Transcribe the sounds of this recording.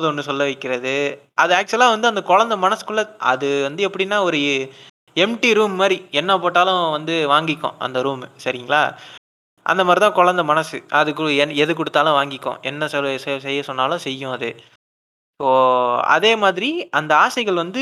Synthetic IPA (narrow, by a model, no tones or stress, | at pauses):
ðɯɔnːɯsɔlːɐʋɐɪkːɪɾɐðɯ | ʔɐðɯaːk̚t͡ʃɛlaːʋɐnd̪ɯɐnd̪ɐkɔɻɐnd̪ɐmɐnɐsɯ̥kʊɭːɐɐ̰ðɯʋɐnd̪ɯɛpːɐɽɪnːaːɔɾɯ | ɛmʈiɾuːmːaːɾiɛnːɐpoːʈːaːlʊ̃ʋɐnd̪ɯʋaːŋɡɪkːõ̰ʔɐ̰nd̪ɐɾuːmsɐɾɪŋɡɐɭaː | ʔɐ̰nd̪ɐmaːdɾit̪ãːkɔɭɐnd̪ɐmɐnɐsɯʔɐðɯkːɛnɛðɯkʊɽɯt̪ːaːlʊ̃ʋaːŋɡɪkːõ̰ːɛnːɐsɛlssɛjːɐsɔnːaːlʊ̃sɛjːʊ̃ɐðɯ | poːɐ̰ðeːmaːðɪɾiʔɐnd̪ɐaːsɐɪɣɐɭʋɐnd̪ɯ